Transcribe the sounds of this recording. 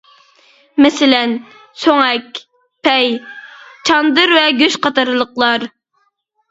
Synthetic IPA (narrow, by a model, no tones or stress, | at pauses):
mɛsɪlɛn | soŋɛkʲ | pʰɛj | t͡ʃʰɑnd̪ɨɾvɛɡʲøʃqɑt̪ɑɾlˠəqlˠɑɾ